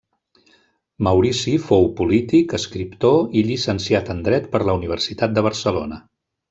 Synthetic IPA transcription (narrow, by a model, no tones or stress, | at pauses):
məwɾisifowpulit̪ikəskɾipt̪oiʎisənsiat̪ənd̪ɾɛt̪pəɾləuniβ̞əɾsit̪at̪̚d̪əβ̞əɾsəlonə